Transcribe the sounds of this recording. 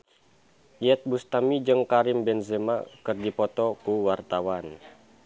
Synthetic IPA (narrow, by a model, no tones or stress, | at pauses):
iɛt̪̚bust̪amid͡ʒəŋkaɾimbɛnzemakɨrdipɔt̪ɔkuwart̪awan